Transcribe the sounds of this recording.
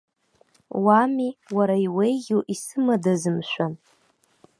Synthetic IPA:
wamiwaɾaiwejɡʲowʔisɨmadazɨmʃʷᶣan

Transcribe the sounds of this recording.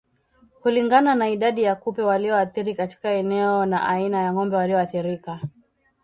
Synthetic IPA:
kuliŋɡananaiɗaɗijakupɛwaliɔaθiɾikati̥kaɛnɛɔna̰ʔainajaŋɔmbɛwaliɔaθiɾika

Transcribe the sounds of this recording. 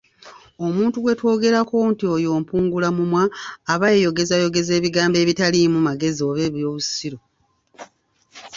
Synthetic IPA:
o̞muːntuɡwe̞two̞ːɡe̞ɾako̞ntiojo̞ːmpuːŋɡulamumwaːβajejo̞ɡe̞zajo̞ɡe̞ze̞ːβiɡaːmbe̞ːβitalimumaɡe̞zioβe̞ːβjo̞ːβusiɾo̞

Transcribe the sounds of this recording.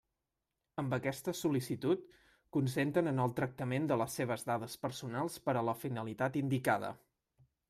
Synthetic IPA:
əmbəkɛst̪əsulisit̪ut̪̚ | kunsent̪ənənəlˠt̪ɾək̚t̪əmend̪ələsːeβ̞əzðað̞əspəɾsunalˠspəɾələfinəlit̪at̪ind̪ikað̞ə̰

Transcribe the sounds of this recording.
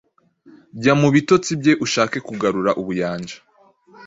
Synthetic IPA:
bɟamuβito̞t͡sibɟe̞ʔuʃaːke̞kuɡaɾuɾaʔuβujaːnd͡ʒḁ

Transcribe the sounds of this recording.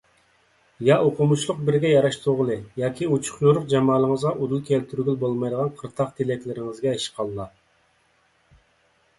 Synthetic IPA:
jɑʔoqʰʊmuʃlˠʊq̚bɪɾɡʲɛjɑɾɑʃt̪ʰʊʁəlˠɨjɑːkʲiut͡ʃʰu̥χnuɾʊqd͡ʒɑmɑːlˠəŋəzʁɑʔud̪ulˠkʲʰɛlt̪ʰyɾɡʲylbolˠmɑjd̪əʁɑnqʰəɾt̪ʰɑqt̪ʰelɛkʲlɪɾɪŋɪzɡʲɛeʃqʰɑlˠːɑ

